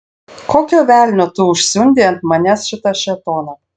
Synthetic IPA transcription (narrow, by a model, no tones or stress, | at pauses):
kokʲoβʲælʲnʲot̪uuʃsʲunʲd̪ʲent̪mɑnʲæsʃɪt̪ɑʃet̪onɑ